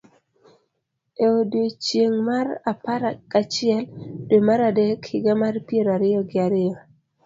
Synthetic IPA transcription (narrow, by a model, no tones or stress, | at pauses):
eodot͡ʃjeŋmarapaɾakat͡ʃɪɛldomaɾadekhɪɡamarpieɾaɾɪjɔɡɪaɾɪjɔ